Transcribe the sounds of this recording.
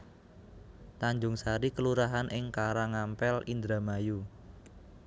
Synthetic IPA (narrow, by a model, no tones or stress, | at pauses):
t̪aɲd͡ʒʊŋsaɾikəluɾaɦanʔɪŋkaɾaŋampɛlind̪ɾamaju